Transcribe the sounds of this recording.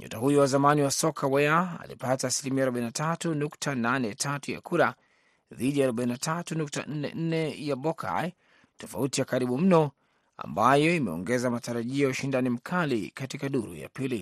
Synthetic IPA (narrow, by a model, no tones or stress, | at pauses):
ɲṵtaɦujɔwazamaniwasɔkʰawɛaa̰lḭpataːsilimiaɾɔɓainatʰatunuktʰananɛtʰatuja̰kuɾa | ðiɗiaːɾɔɓainatʰatunukta̰n̩nɛ̰n̩nɛjaɓɔkʰa̰j | tɔfautijakaɾiɓum̩nɔ | a̰mbajɔimɛɔ̰ŋɡɛzamataɾaʄiɔjauʃindanim̩kʰalḭkatikaɗuɾṵja̰pili